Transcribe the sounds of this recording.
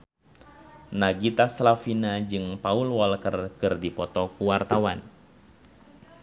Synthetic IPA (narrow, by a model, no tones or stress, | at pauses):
naɡit̪aslafinad͡ʒɨŋpaulwɔlkərkɨrdipɔt̪ɔkuwart̪awan